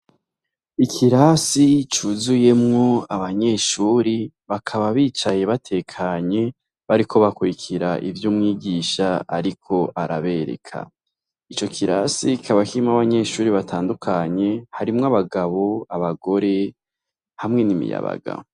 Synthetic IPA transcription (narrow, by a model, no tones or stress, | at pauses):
ikʰiɾasit͡ʃuzuje̞mŋo̞aβaɲe̞ʃuːɾi | βakʰaβaβiːt͡ʃaje̞βatʰe̞kʰaɲe̞ | βaɾikʰo̞βakuɾikʰiɾaʔḭvjuːmŋiːɡiːʃaa̰ɾikʰo̞ʔaɾaβe̞ɾe̞̰kʰa̰ | it͡ʃo̞kʰiɾa̰siikʰaβakimaβaɲe̞ʃuːɾiβatʰaːndukʰaɲe̞haɾimŋaβaɡaβo̞aβaɡo̞ɾe̞ | hamŋe̞nimḭja̰βa̰ɡa̰